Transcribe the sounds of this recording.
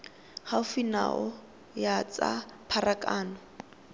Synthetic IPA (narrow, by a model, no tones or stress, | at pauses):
haʊfina̰ʔʊ | jat͡sʼa̰pʰarakʼaːnɔ